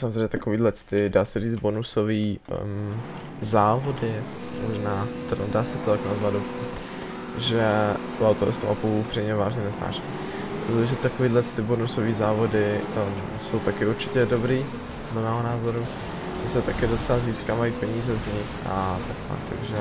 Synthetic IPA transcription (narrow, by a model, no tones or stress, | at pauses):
samozɾeɛɲɛt̪akoviːdlɛt͡st̪ɪdaːsɛriːd͡z̪bonusoviː | zaːvo̞dɪ | moʒnaːt̪ɛddaːsɛt̪ot̪aknazvad̪doput̪ | ʒɛ | uawt̪oɾɛ̰st̪omʔa̰pulʔupr̥iɲɛvaːʒɲɛnɛzna̰ːʃi̥ | oʒɛt̪akoviːdlɛt͡st̪ɪbonusoviːzaːvo̞dɪ | so̞wt̪akɪuɾt͡ʃɪcɛdobɾiː | podlɛmɛːɦonaːzo̞ɾu | ʒ̥ɛsɛt̪akɪdo̞t͡sɛlaziːskaːvaiːpɛɲiːzɛzɲɪxʔa̰t̪aka̰kt̪a̰ɡʒɛ